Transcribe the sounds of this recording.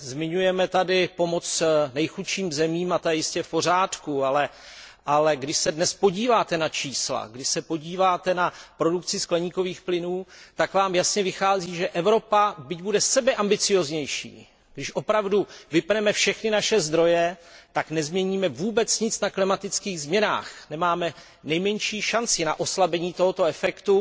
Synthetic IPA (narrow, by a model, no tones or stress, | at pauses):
zmɪɲujɛmɛt̪adɪpo̞mot͡snɛjxuʃiːmzɛmiːmat̪ojɛjɪscɛfpo̞r̝aːt̪kualɛʔalɛɡdɪʃsɛdnɛspo̞ɟiːvaːt̪ɛnat͡ʃiːsla̰ɡdɪʃsɛpo̞ɟiːvaːt̪ɛnapɾo̞dukt͡sɪsklɛɲiːko̞viːxplɪnuːt̪akvaːmjasɲɛvɪxaːziːʒɛʔɛvɾo̞pabɪɟbudɛsɛbɛʔambɪt͡sɪjozɲɛjʃḭː | ɡdɪʃʔo̞pɾavduvɪpnɛmɛfʃɛxnɪnaʃɛzd̪ɾo̞jɛt̪aknɛzmɲɛɲiːmɛvuːbɛt͡sɲɪt͡snaklɪmat̪ɪt͡skiːɣzmɲɛna̰ːxnɛmaːmɛ | nɛjmɛɲʃiːʃant͡sɪna̰ʔo̞slabɛɲiːt̪o̞ɦot̪o̞ɛfɛkt̪u